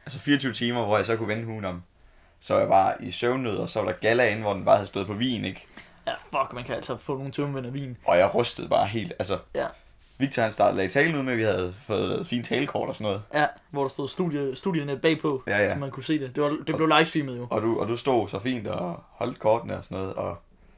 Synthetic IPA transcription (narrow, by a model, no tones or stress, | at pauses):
ælsəfiːɐt͡sʰyːʊt͡sʰiːmɐʋɒjɑ̈ɪsɒ̽kʰuʋenɦuːnɒ̽m | sɒjɑ̈ɪʋɑ̈isøʊnːøðˠɒsɒʋɑ̈ɾ̥ɑ̈ɡ̥ælæe̝n̩ʋɒd̥enb̥ɑ̈ːhæðˠsd̥ɔ̽ðˠpʰɒ̽ʋḭːne̝ɡ̥ | jæfɒ̽ɡ̥mænkʰææl̰sɒfɔ̰ːno̝ːn̩t͡sʰomʋen̰æʋḭːnʔɒ̽jɑ̈ɪʁœsd̥əð̩ˠb̥ɑ̈ːɦe̝̰ːld̥ælsəjæ | ʋiɡ̥̚t͡sʰɒhænsd̥ɑ̈d̥ð̩ˠlɛit͡sʰɛ̰ːlne̝ð̰ˠmeʋihæð̩ˠfɔ̽ːð̩ˠlɛ̰ːð̩ˠfḭːnt͡sʰɛːlkʰɒ̰ːd̥ɒ̽sɒ̽nɔ̽ːð̩ˠjæ | ʋɒɾ̥ɑ̈sd̥o̝ðˠsd̥uðˠjəsd̥uðˠjəneb̥ɛ̰ːpʰɒ̽ææsɒ̽mænkʰuse̝̰ːd̥e̝d̥eʋɑd̥e̥le̝ʊlɑ̈ɪsfiməð̩ˠjo̝ɒ̽d̥uɒd̥usd̥o̝̰ːsɒ̽fḭːnd̥ɒhɒ̽l̰d̥̚kʰɒːd̥nəɒsɒnːɔ̽ːð̞̩ˠɒ̽